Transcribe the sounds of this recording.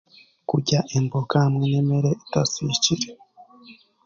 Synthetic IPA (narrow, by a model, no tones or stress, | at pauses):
kuɟaʔembokahmŋeneme̞ɾeʔitasiciɾe